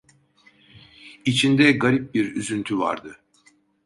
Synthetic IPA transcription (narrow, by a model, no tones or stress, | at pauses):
it͡ʃʰind̪ɛɡaɾip̚biɾyzynt̪ʰyva̰ɾd̪ɯ